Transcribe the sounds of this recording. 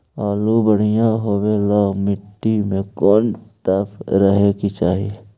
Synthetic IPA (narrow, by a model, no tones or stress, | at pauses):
aːlubəɽ̤ijãɦoːwelɔːɡmɪʈːimẽkɔːnt̪əpɾəɦekit͡ʃaːɦi